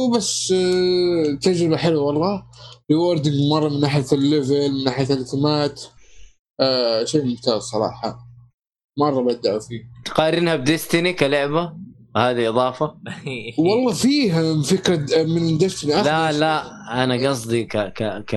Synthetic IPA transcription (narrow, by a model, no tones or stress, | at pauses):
basː | t̪ad͡ʒɾɪbaħɪlːwawɑlˤːɑːliʊɾˤd̪ɪŋmɑrˤːɑmɪnːaːħɪjatalːɪvɪlmɪnːaːħɪjat̪alɪθɪmaːt̪ | ʃeːmʊmt̪aːzsˤɑɾˤɑ̰ːħɑ̰ | mɑrˤːɑbad̪aʔfiːt̪qɑːɾɪnhab̚d̪ɪst̪ɪnikalʊʕbawhaːd̪iʔɨðˤɑːfa | wɑlˤːɑːfiːɦamfɪkɾɑmɪnd̪ɪst̪niʔalalaʔanaɡɑsˤd̪ˤikakaka